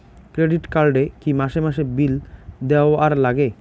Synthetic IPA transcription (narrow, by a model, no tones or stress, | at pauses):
kɾeɖiʈkaɾɖekimaʃemaʃebild̪eoaɾlaɡe